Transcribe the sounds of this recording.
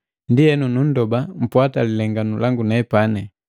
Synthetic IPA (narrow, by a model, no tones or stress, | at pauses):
ndiɛnunun̩dɔbam̩pwatalilɛŋɡanulaŋɡunɛpanɛ